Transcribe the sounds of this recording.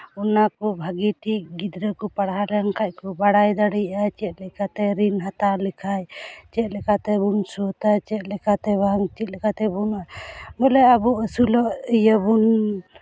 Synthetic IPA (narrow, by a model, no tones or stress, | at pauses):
ɔnakɔbʱaɡiʈiʔɡid̪ɾəkɔpaɽɦalɛŋkac̚ˀkɔbaɽajd̪aɽijat͡ʃɛt̪̚lɛkat̪ɛɾinɦat̪alikʰajt͡ʃɛt̪̚lɛkat̪ɛbunsɔt̪at͡ʃɛt̪̚lɛkat̪ɛbaŋt͡ʃɛt̪̚ˀlɛkat̪ɛbunʔabɔlɛabɔʔəsulɔʔijəbun